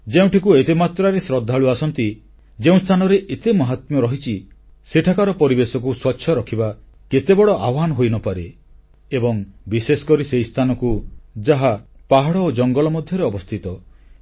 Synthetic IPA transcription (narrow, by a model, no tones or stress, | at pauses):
d͡ʒeũʈikuet̪emat̪ɾaɾesɾɔd̪ʱaɭuasɔnt̪i | d͡ʒeũst̪ʰanɔɾeʔet̪emɔɦat̪mɔɾɔɦit͡ʃʰi | seʈʰakaɾɔpɔɾibesɔk̬uswɔtːʃʰjɔɾɔkʰiba | ket̪ebɔɭɔʔawanɔɦojnɔpaɾe | ebɔŋbisesɔ̥kɔɾisejst̪ʰanɔkud͡ʒaɦapaɦaɽɔod͡ʒɔŋɡɔlɔmɔd̪ʱjɔɾeɔbɔst̪ʰit̪ɔ